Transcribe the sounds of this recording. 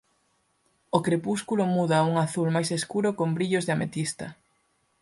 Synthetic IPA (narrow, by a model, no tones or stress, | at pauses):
okɾepuskulʊmuðauŋaθulmajseskuɾʊkombɾiʎozðeamet̪ist̪ɐ